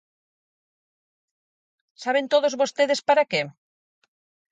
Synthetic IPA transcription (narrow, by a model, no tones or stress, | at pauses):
saβ̞ent̪oðozβost̪eðespaɾake